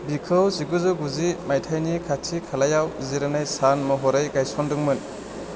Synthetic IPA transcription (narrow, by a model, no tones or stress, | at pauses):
bikʰɯwziɡɯzɯɡuzimajtʰajnikʰatʰikʰalajawziɾanajsanmɔɦɔɾajɡajsɔndɯŋmɯn